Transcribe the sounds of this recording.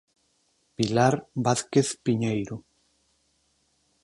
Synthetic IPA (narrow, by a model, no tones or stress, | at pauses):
pilaɾbaθkeθpiɲejɾʊ